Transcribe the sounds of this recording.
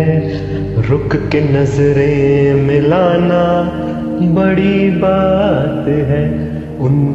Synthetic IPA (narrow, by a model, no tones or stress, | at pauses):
ɛ | ɾʊkkenɐzɾemɪlaːna | bɐɽibaːt̪ɦɛː | ʊn